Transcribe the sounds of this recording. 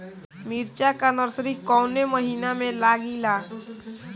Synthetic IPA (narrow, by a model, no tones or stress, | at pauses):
miɾt͡ʃakanəɾsɾikɔʊneməɦinamẽlaɡila